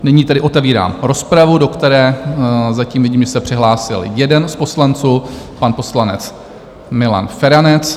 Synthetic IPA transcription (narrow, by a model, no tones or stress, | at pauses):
nɪɲiːt̪ɛdɪʔo̞t̪ɛviːɾa̰ːmɾo̞spɾavudo̞kt̪ɛɾɛːzaciːmvɪɟiːmʒɛsɛpr̝̥ɪɦlaːsɪ̰ljɛdɛnspo̞slant͡suː | panpo̞slanɛt͡s | mɪla̰nfɛɾanɛt͡s